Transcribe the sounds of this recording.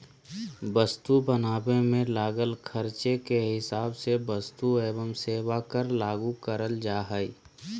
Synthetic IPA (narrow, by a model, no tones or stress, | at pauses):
bəst̪ubənaːbemẽlaːɡəlkʰəɾt͡ʃekeɦɪsaːbsebəst̪ueːbəmseːwakəɾlaːɡukəɾəld͡ʒaːɦəi